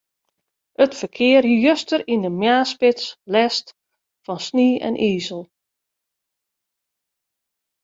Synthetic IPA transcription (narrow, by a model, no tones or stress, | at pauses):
ətfərkʰɪərjjøstərindəmjaːspɪtslɛst | fɔnsniːɛ̰nʔiːzəlˠ